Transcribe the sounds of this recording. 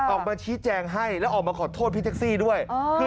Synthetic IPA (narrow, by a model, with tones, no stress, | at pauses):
ʔɔː˨˩k̚maː˧t͡ɕʰiː˦˥t͡ɕɛː˧ŋɦa˥˩jlɛː˦˥ʔɔː˨˩k̚maː˧kʰɔː˨˩t̪ʰoː˥˩pʰi˦˥t̪ʰːk̚siː˥˩du˥˩əjʰ